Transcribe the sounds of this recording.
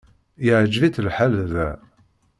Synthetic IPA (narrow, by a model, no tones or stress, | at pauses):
jəʕd͡ʒviθəlħalðæ